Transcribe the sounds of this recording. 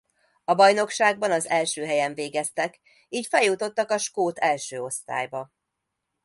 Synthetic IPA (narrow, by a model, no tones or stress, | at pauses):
ɒbɒjno̞kʃaːɡ̚bɒnɒzɛlʃøːɦɛjɛɱveːɡɛst̪ɛk | iːcfɛljːut̪o̞t̪ːɒkɒʃkoːt̪ʰɛlʃøːo̞st̪a̰ːjbɒ